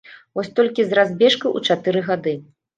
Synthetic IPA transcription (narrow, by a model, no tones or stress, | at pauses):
vɔsʲt̪ɔlʲkʲizrazʲbʲɛʂkɐʔṵt͡ʂat̪ɨɾɨɣad̪ɨ